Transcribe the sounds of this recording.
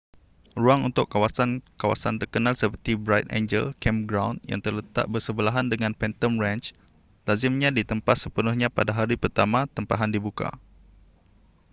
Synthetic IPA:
ruaŋṵnt̪ʊʔkːawasankawa̰sant̪ərkənalsəpərt̪ibɾajt̪̚ḛ̃nd͡ʒə̰lkɛmɡɾawnja̰ŋt̪ərlət̪a̰ʔ̚bərsəbəlaɦandəŋãnpɛnt̪əmrãnt͡ʃ | lazɪmɲãdit̪əmpat̪̚səpənʊhɲãpadaɦaɾipərt̪amãt̪əmpaɦandibuka̰

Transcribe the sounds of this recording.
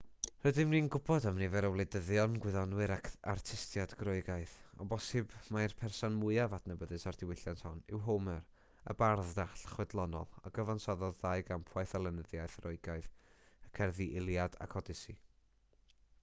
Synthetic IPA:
rədɪmninɡʊbɔdamnivɛɾəwlˠedəðjɔnɡwɪðɔnwɨɾakʰartʰɪstjadɡrʊɨɡaɨðɔ̰bɔsɨbmairpʰɛrsɔnmʊɨavatʰnəbəðɨsard̥ɪwɪɬjantʰhɔnɪ̰wɦomɛr | ə̰barðdaɬχwɛdlˠɔnɔ̰lˠaɡ̥əvansɔðɔðːajɡampʰwajθalˠənəðjajθrʊɨɡaɨðəkʰɛrðiʔɪlˠjada̰kʰɔdɪsi

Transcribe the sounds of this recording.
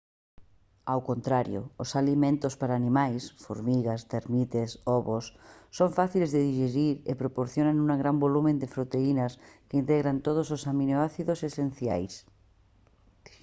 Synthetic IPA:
awkont̪ɾaɾjo̰osalimẽnt̪ospaɾaːnĩmajsfo̰ɾmiɣast̪eɾmit̪esoβosːoɱfaθilezðeðiʒeɾiɾḛpɾopoɾθjonanunaɣɾambolumẽnd̪efɾot̪einaskeint̪eɣɾant̪oð̞ososamĩnoaθiðosesenθja̰js

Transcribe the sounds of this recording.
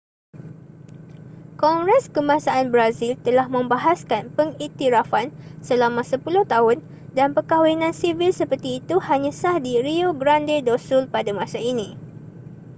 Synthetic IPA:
kɔŋɡɾɛskəmasaanbɾazilt̪əlahmə̃mbaɦaskanpəŋit̪iɾafansəlamãsəpulʊht̪aɦʊn | danpəkawinãnsivilsəpərt̪iːt̪uhaɲãsahdiɾioɡɾandedɔsulpadamãsainĩ

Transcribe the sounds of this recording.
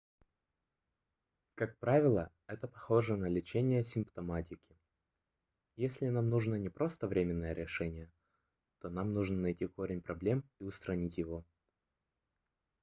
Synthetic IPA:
kak̚pɾavʲɪlˠə | ɛt̪əpɐxo̞ʐənɐlʲɪt͡ɕenʲɪjəsʲɪmpt̪ɐmatʲɪkʲɪ̥ | jesʲlʲɪnamnuʐnənʲɪpɾo̞st̪əvɾʲemʲɪnːəjəɾʲɪʂɛnʲɪjə | t̪o̞namnuʐnənɐjtʲiko̞ɾʲɪnʲpɾɐblʲe̞miʊst̪ɾɐnʲitʲjɪvo̞

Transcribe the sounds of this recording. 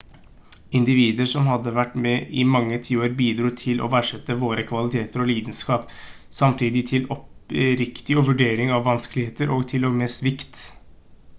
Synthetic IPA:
ɪnd̪ɪʋiːd̪əʂɔmhɑd̪ːəʋæʈːmɛʔɪmɑŋːət̪ʰiːoːɾbiːd̪ɾuːt̪ʰɪlʔɔ̰ʋæːʂɛt̪ːəʋoːɾəkʰʋɑlɪt̪ʰeːt̪əɾɔliːd̪ən̩skɑːp | sɑmt̪ʰiːd̪ɪt̪ʰɪlɔpɾɪkt̪ɪɔʋʉɖeːɾɪŋɑʋːɑnskəlɪheːt̪əɾʔɔːɡt̪ʰɪlɔmɛsʋɪkt̪

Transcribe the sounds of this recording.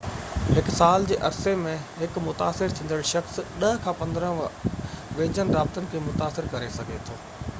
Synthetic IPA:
ɦɪksaːld͡ʑeːʔɐɾsemẽɦɪkmʊt̪a̰ːsɪɾt̪ʰĩːnd̪əɭʃɐxsɗɐɦkʰãːpɐ̃nd̪əɾə̃ | ʋeːd͡ʑənɪɾaːb̚t̪ənɪ̆kʰeːmʊt̪aːsɪɾkɐɾesɐɡʱet̪ʰoː

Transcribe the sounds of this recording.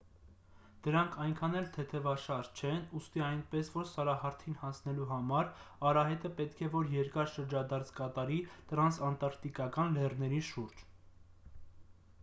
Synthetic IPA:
d̪̥əɾɑŋkʰɑjŋkʰɑnɛlt̪ʰɛt̪ʰɛvɑʃɑɾt͡ʃʰɛnust̪iɑjnpɛsvɔɾsɑɾɑɦɑɾt̪ʰinhɑnt͡sʰnɛluɦɑmɑɾɑɾɑɦɛt̪əpɛt̪kʰɛvɔɾjɛɾkɑɾʃəɾd͡ʒɑd̪ɑɾt͡sʰkɑt̪ɑɾit̪əɾɑnsɑnt̪ɑɾkt̪ikɑkɑnlɛrnɛɾiʃuɾd͡ʒ

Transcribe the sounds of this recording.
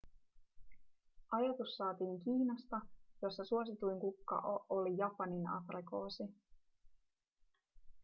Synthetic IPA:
ʔɑjɑt̪usːɑːt̪iːŋk̟iːnɑst̪ɑjo̞sːɑsuosit̪ujŋkukːɑ̰ʔoʔolijɑpɑninɑ̰friko̞̰ːsi

